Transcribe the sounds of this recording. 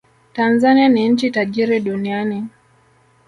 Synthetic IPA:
tanzanianiɲ̩t͡ʃitaʄiɾiɗuniani

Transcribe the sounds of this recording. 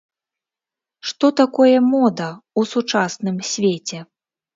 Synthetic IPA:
ʂt̪ɔt̪akɔjɐmɔd̪ɐusut͡ʂasnɨmsʲvʲet͡sʲɛ

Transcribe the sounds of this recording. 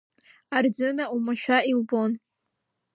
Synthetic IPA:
ard͡zɨnaumaʃᶣailbon

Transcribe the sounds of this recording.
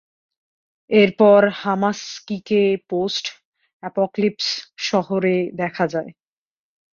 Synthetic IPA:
eɾpɔɾhamaskikeposʈ | ɛpoklipsʃɔɦoɾed̪ɛkʰad͡ʑae

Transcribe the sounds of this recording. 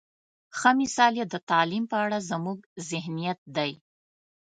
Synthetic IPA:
xəmɪsɑljed̪ət̪ɑlimpəaɽazəmuɡzɪhnijat̪̚d̪aj

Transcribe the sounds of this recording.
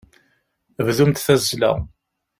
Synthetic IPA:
əvðumt̪θæzʒlæ̰

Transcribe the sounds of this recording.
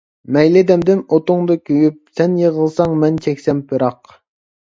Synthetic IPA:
mɛjlɪd̪ɛmd̪ɪnot̪ʊŋd̪ɑkʲʰøjyp̚sɛnjəʁəlˠsɑŋmɛnt͡ʃʰɛkʲsɛmpʰɨɾɑq

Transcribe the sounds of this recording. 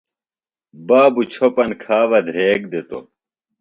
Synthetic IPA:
baːbut͡ɕʰopɐnkʰaːʋɐd̪ʱɾeːk̚d̪et̪o̰

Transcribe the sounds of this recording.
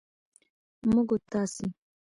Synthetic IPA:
muɡot̪ːaːsi

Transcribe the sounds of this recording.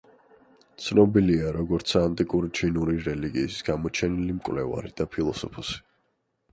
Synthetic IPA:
t̪sʰnɔbiliaɾɔɡɔɾt̪sʰant̪ʼikʼuɾit͡ʃʰinuɾiɾɛliɡiːsɡ̥amɔt͡ʃʰɛnilimkʼwvlɛva̰ɾid̪̥apʰilˠɔsɔpʰɔsi̥

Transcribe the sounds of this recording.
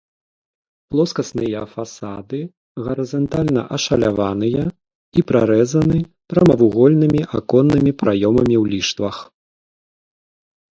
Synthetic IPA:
plˠɔskɐsnɨjɐfasad̪ɨ | ɣɐɾɐzɐnt̪alʲnɐ̰ʔɐʂɐlʲavanɨjɐ | ipɾaɾɛzɐnɨpɾɐmɐvuɣɔlʲnɨmʲiʔa̰kɔnːɨmʲipɾajɔmɐmʲiwlʲiʂt̪vɐx

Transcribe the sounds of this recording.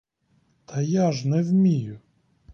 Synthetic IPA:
t̪ʰɐjaʒnɛwmʲijʊ

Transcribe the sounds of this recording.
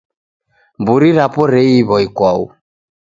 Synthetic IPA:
mbuɾiɾapɔɾɛiβɔikwaṵ

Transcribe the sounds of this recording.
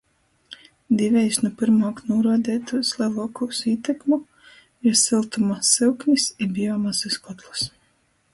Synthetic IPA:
d̪ivʲɛjsnupiɾmaːknuːɾɔd̪ɛːt̪uslˠɛlˠɔkusiːt̪ɛkmu | iɾsilˠt̪umasilˠknʲisibʲijɔːmaziskɔt̪lˠus

